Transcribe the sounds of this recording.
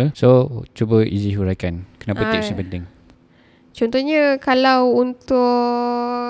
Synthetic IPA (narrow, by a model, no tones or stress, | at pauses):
lsot͡ʃubəiziɦuɾakankənapət̪ɛksipənt̪ɪŋ | t͡ʃɔnt̪ɔhɲəkalawunt̪ʊ